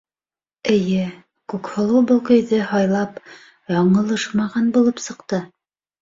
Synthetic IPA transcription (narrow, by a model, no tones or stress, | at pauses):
ɘ̆jɘ | kʉkhŏlˠɤwbŏlˠkɵ̆jðɘhɑjlˠɑp | jɑɴɤ̆lˠɤʃmɑʁɑnbulˠɤpsɤ̆qt̪ɤ